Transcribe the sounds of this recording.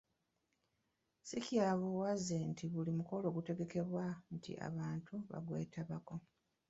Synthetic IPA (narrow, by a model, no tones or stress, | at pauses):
sikjaːβowazentʰiβulimuko̞lo̞ːɡute̞ɡe̞ke̞βwantʰḭʔa̰βaːntʰuβa̰ɡwe̞̰ːtaβako̞